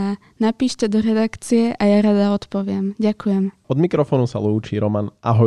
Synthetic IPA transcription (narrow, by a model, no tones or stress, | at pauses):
a | napiːʃcɛd̪ɔɾɛd̪akt͡sijɛʔajaɾad̪aɔt̪pɔʋɪɛmɟakujɛm | ɔd̪mikɾɔfɔːnusa̰luːt͡ʃiːɾɔmanʔaɦɔ